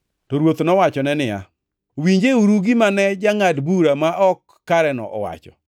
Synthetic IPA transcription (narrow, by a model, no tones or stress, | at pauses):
tɔɾwot̪nɔwat͡ʃɔnɛnɪja̰ | wiɲd͡ʒeuɾuɡɪmanɛd͡ʒaŋadbuɾamaʔɔkːaɾɛnɔ̰ʔɔ̰wa̰t͡ʃɔ̰